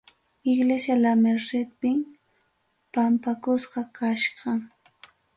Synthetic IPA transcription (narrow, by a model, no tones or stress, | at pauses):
ɪɡlesjalameɾsɪt̪̚pɪm | pampakʊsqɑkaʃɢɑŋ